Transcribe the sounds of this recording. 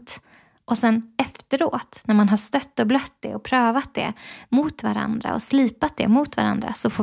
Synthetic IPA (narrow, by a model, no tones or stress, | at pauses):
t̪ | ʔɔsɛnɛft̪əɾoːt̪næɾmanɦaʂt̪œt̪ːɔblœt̪̚ːd̪ɛɔpʰɾøːvat̪̚d̪ɛ̰muːt̪va̰ɾa̰nd̪ɾa̰ɔ̰sliːpat̪̚d̪ɛ̰muːt̪va̰ɾa̰nd̪ɾa̰sɔfoː